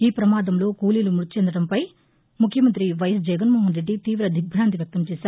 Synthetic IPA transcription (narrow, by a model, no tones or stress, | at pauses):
iːpɾɐmaːd̪ɐmlo̞ːkuːlilumuɾt͡ʃeɛnd̪ɐɽɐmpɐj | mukʰjɐmɐnt̪ɾiʋɐjɐs̬d͡ʒɐɡɐnmoːɦɐnɾe̞ɖːit̪iːʋɾɐd̪ʱik̚bʱɾaːnd̪iʋjɐk̚t̪ɐmt͡ʃɛːsaːɾu